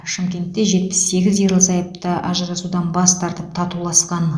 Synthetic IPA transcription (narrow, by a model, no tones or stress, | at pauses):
ʃɪmkʲe̞nt̪ːe̞ʒe̞t̪̚pɪ̥sse̞ɡʲɪzjeɾlˠəsɑjəp̚t̪əʔɑ̰ʒəɾɑsud̪ɑnbɑst̪ʰɑɾt̪əp̚t̪ʰɑt̪ulˠɑsqɑn